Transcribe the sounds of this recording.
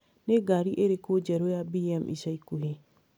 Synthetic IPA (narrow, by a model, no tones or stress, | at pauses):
neɡaɾiʔeɾekod͡ʒɛɾojabiɛmʔḭsaikuɦi